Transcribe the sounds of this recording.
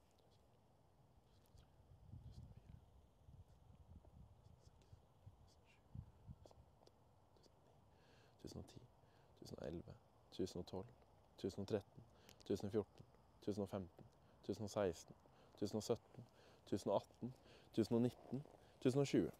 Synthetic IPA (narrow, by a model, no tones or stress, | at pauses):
t̪ʰʉ̰ːsno̰ːt̪ʰiː | t̪ʰʉːsn̩o̰ːʔɛ̰lʋə̰ | t̪ʰʉːsn̩oːt̪ʰɔl | t̪ʰʉːsn̩oːt̪ʰɾɛt̪n̩ | t̪ʰʉːsnoːfjʊʈɳ̩ | t̪ʰʉːsn̩oːfɛmt̪n | t̪ʰʉːsn̩oːsæɪst̪n | t̪ʰʉːsn̩oːsœt̪n̩ | t̪ʰʉːsn̩oːɑt̪n̩t̪ʰʉːsn̩oːnɪt̪ːn̩ | t̪ʰʉːsn̩oːʃʉːə̰